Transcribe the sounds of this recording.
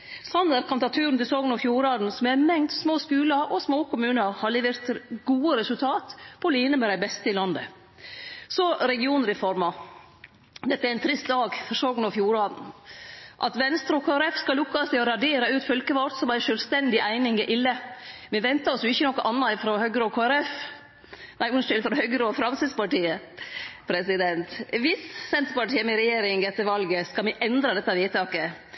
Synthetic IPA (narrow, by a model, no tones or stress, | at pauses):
sɑnd̪əɾkʰɑnt̪ɑt̪ʰʉːɾn̩t̪ɪlsɔːɡnɔfjuːɾɑːd̪n̩sɔmæmɛŋd̪smoːskʉːlɑɾʔɔsmoːkʰʊmʉːnəɾhɑɭɪːʋəɾt̪ɡuːəɾɛsʉlt̪ʰɑːt̪pʰɔliːnəmɛd̪æɪbɛst̪əɪlɑnd̪ə | sɔɾɛɡɪuːnɾɛfɔɾmɑ | d̪ɛt̪ːəæɾɪnt̪ʰɾɪst̪̚d̪ɑːɡfɔɾsɔːɡn̩ɔfjuːɾɑːd̪n̩ | ʔɑt̪ʋɛnst̪ɾɔkʰoːæɾɛfskɑlʊkːɑst̪ɪɔɾɑɖeːɾɑʉːt̪fœlkəʋɑt̪sɔmæɪnʃœlʋst̪ɛnd̪ɪʔæɪnɪŋɪʔɪlːəmɛʋɛnt̪ɑɔsjʊɪçːənɔkːəʔɑnːɑɪfɾɔhœɡɾoːkʰoːæɾɛf | næɪmʊnsʃɪlfɾɔhœɡɾəɔfɾɑmsɪspɑʈiːə | pʰɾɛsɪd̪ɛnt̪ʋɪssɛnt̪ɾəpɑʈʰiːəmɛɾɛjeːɾɪŋɛt̪ːəɾʋɑlɡəskɑlmɛʔɛnd̪ɾɑd̪ɛt̪ːɑʋiːt̪ɑːkə